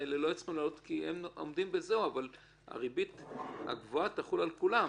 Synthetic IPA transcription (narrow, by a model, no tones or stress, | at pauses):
elelo̞et͡sχimlalot̪kiemo̰md̪imbe̞zeuaval | a̰ʁibit̪a̰ɡvoat̪aχulalkula